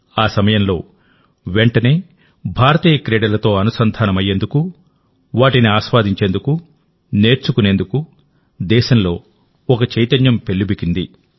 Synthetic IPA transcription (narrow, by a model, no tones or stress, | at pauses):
aːsɐmɐjɐmlo̞ː | ʋeɳʈɐne̞ː | bʱaːɾɐt̪iːjɐkɾeːɽɐlɐt̪o̞ːɐnusɐnd̪ʱaːnɐmɐjːe̞nd̪uku | ʋaːʈiniaːʃʋaːd̪ʱiɲt͡ʃe̞ːnd̪uku | ne̞ːɾt͡ʃukune̞ːnd̪uku | d̪ɛːʃɐmlo̞ː | ɔkɐt͡ʃɐjt̪ɐnjɐmpe̞ɭːubikind̪i